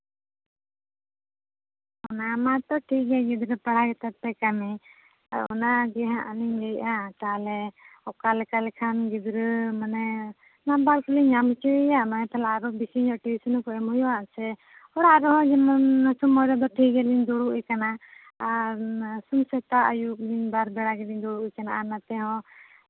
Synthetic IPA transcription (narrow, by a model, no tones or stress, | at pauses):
ɔnamat̪ɔʈʰiɡɛɡɛd̪ɾəpaɽ̤aɡɛt̪aɾ̚t̪ɛkami | a̰ɾ̰ɔ̰naɡɛɦãʔaniɲlɛjat̪alɛɔkalɛkalɛkʰanɡɛd̪ɾɯmanɛ | nabaɾkuliɲamt͡ʃuɛjamanɛt̪ʰalaːɾɔbikiɲɔʈibisɔnɔkɔɛmɦɔjɔaʔsɛ | ɔɽaɾɔɦɔ̃d͡ʒɛmanasumːɔjɾɔd̪ɔʈʰiɡɛliɲd̪uɽuʔujkana | sumsɛt̪aʔajukliɲbaɾbɛɽaɡɛliɲd̪uɽuujkanaʔanat̪ɛɦɔ̃